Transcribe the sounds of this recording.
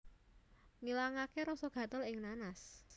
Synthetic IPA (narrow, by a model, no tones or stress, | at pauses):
ŋilaŋakeɾɔsɔɡ̥ä̤t̪əlɪŋnanas